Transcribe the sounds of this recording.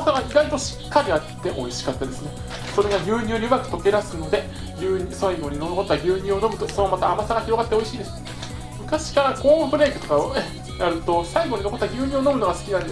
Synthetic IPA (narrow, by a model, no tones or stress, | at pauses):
asaɡaiɡait̪o̞ɕi̥kʰːaɾʲiat̪ːe̞ʔo̞̰iɕi̥kat̪ːad̪e̞sɨne | so̞ɾe̞ɡaɡʲɨːɲ̟ɨːɲʲiɯmakɯ̟̥t̪oke̞ɾasɨno̞d̪e̞ | ɡʲɨːɲʲːsaiɡo̞ɲ̟inooko̞t̪ːaɡʲɨːɲ̟ɨ̃ːo̞no̞mɯ̟t̪osoemat̪aːmasaɡaçiɾo̞ɡat̪ːe̞o̞iɕiːd̪esɨ | mɯ̟kaɕi̥kaɾako̞ːɸɯ̟ɾe̞ːkɯ̟t̪o̞kao | jaɾɯ̟t̪o̞saiɡo̞ɲinoko̞t̪ːaɡʲɨːɲ̟ʲɨːono̞mɯ̟no̞ɡasɨ̥kʲinãnd̪